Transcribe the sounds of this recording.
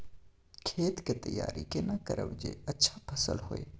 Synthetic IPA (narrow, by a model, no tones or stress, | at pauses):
kʰeːt̪ket̪ɐja̰ːɾḭkenɐkəɾə̰ʋd͡ʒeɐtːʃʰḁpʰɐsə̰lɦoe